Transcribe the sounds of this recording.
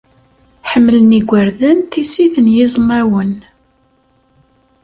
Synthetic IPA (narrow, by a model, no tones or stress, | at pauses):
ħəmːələniɡʷəɾðənt̪isiθənjɪzˤnæwən